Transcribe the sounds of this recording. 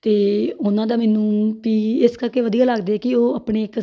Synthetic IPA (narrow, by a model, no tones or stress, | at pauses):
t̪eːʊnãːd̪aːmɛːnũːpiːɪskəɾkeːʋəd̪ijaːləɡd̪eːkɪoːəpɳeːɪk